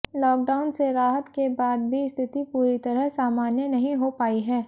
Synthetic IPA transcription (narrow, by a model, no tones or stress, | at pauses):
lɔːk̚ɖaːʊnseɾaːɦət̪kebaːd̪̚bʱist̪ʰɪt̪ipuːɾit̪ɐɾəɦsaːmaːnjənɐɦĩɦopaːiɦɛː